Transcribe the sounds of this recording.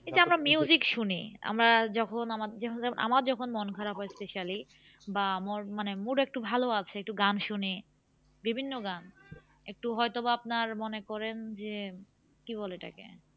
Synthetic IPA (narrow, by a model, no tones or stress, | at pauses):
kit͡ɕamɾamiuzikʃunḭa̰mɾad͡ʑɔkʰonamaɾkona̰maɾd͡ʑɔkʰonmonkʰaɾapɦɔespeʃali | bamoɾmanemuɾek̚ʈubʱaloat͡ɕʰeek̚ʈuɡanʃuni | bibʱinːoɡan | ek̚ʈuɦɔjt̪obap̚naɾmɔnekɔɾend͡ʑe | kiβɔleʈa̰kḛ